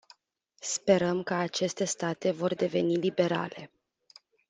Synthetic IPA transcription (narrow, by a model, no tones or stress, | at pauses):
spe̞ɾəmkəat͡ʃe̞st̪e̞st̪at̪e̞vo̞rd̪e̞ve̞̰nilibe̞ɾa̰le̞